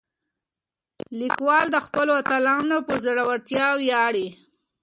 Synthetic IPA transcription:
likwɑld̪əxpəloat̪alɑnopəzəɽawaɾt̪jɑwjɑɽi

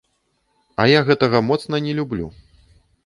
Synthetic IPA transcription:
ɐjaɣɛt̪ɐɣɐmɔt̪sn̪ɐnʲɛlʲublʲṵ

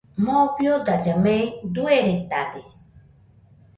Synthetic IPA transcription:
mõbjod̪ad͡ʒamed̪ueɾet̪ad̪e

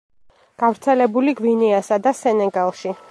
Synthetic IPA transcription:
ɡ̥avɾt̪sʰɛlɛbuliɡviniasad̪asɛnɛɡalˠʃi

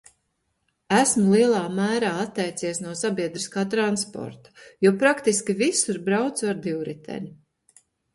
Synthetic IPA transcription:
æsmulˠiɛlˠaːmæːɾaːat̪ːɛjt̪siɛsnuɔsabiɛd̪ɾiskaːt̪ɾanspɔ̰ɾt̪ḁjuɔpɾakt̪iskʲivisiɾbɾawt̪saɾd̪iwɾit̪ʰɛ̰ɲi

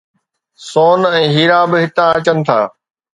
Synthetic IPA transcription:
soːnɛ̃ːɦiːɾaːbɪɦɪt̪ãɐt͡ɕənɪ̆t̪ʰaː

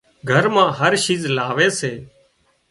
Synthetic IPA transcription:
ɡʱəɾmãːɦəɾʃiːzlaːʋeːseː

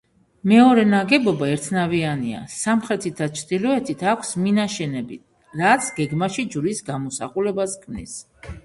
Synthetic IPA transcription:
mɛɔɾɛnaɡɛbɔbaɛɾt̪ʰnaviania̰samχɾɛt̪ʰit̪̚ʰdat͡ʃʰɾd̪ilɔɛt̪ʰit̪ʰakʷʰsminaʃɛnɛbḭt̪̚ʰ | ɾat̪sʰɡɛɡmaʃid͡ʒɾisɡamɔsa̰χulɛbaskʰmnḭs

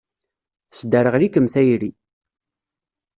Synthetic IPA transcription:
sd̪æɾəʁlikəmθæjɾi

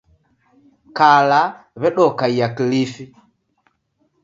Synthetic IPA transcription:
kala | βɛɗɔkaiakilifi

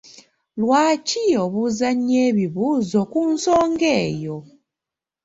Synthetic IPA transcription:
lwaːcioβuzaɲeːβiβuːzo̞kunsoːŋɡe̞ːjo̞

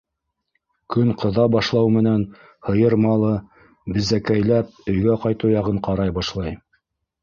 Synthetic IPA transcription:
kɵŋqʰɤ̆ðɑbɑʃlˠɑwmɘ̆næn | hɤ̆jɤɾmɑlˠɤ | bɘ̆zækæjlæp̚ɵ̆jɡæqɑjt̪ɤwjɑʁɤɴqɑɾɑjbɑʃlˠɑj

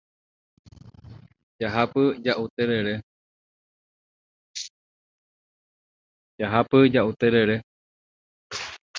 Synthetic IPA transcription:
d͡ʒaɦapɨd͡ʒaʔut̪eɾeɾe | d͡ʒaɦapɨd͡ʒaʔut̪eɾeɾe

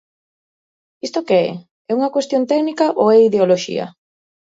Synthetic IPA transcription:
ist̪okeɛ̰ | ɛuŋɐkwest̪jont̪ɛknikaʔoɛiðeoloʃḭɐ̰

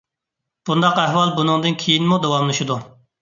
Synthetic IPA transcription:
b̥und̪ɑqæhwɑlˠbunɨŋd̪ɨnkʲʰejinmud̪owɑmlˠɨʃud̪u

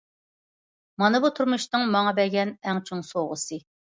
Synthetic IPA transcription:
mɑnɨbut̪ʰuɾmuʃnɨŋmɑŋɑbɛɡʲɛnɛŋt͡ʃʰuŋsoʁəsɨ

